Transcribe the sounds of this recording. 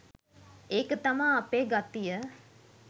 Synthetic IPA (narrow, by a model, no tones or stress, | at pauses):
eːkət̪amaːpeːɡat̪ijə